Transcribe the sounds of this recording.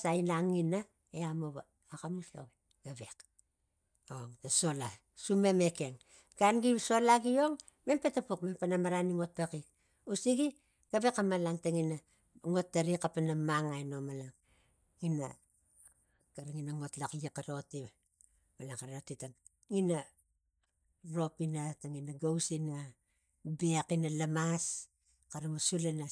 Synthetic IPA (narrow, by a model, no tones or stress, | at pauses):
sainaŋina | eamoβaː | kamio̰ɡ | ɡ̥aβe̞k | oŋtaso̞la | sumemeke̞ŋ | ɡ̥anɡiβso̞laɡio̞ŋ | me̞mpetapokmempanamaɾaniŋot̚pakik | usiɡi | ɡ̥aβe̞kamalaŋtaŋina | ŋo̞tːaɾikapanamaŋajno̞malaŋ | ina̰ | kaɾaŋinaŋo̞tlaklikaɾo̞ti | malaŋkaɾotitaŋ | ŋina | ɾo̞pinataŋinaɡawsina | bekinalamas | kaɾamasulana